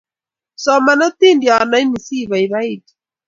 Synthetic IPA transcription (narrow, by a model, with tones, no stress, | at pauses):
sɔ˨ma˨nɔ˦t̪i˦ndja˨na˨˦i˦ni˨si˦˨βa˨i˨βa˦i˦˨ti̥˨